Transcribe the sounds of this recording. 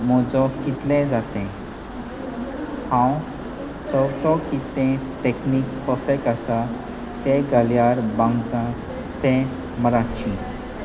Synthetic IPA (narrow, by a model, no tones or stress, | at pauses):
mɔd͡zɔkit̪lẽd͡zat̪ɛ̃ | hãw | t͡səwɾt̪ɔ̃kit̪ɛ̃ʈekniːkpəfekasa | t̪ẽɡaljaɾbãŋɡt̪ã | t̪ɛ̃ | məɾat͡ɕi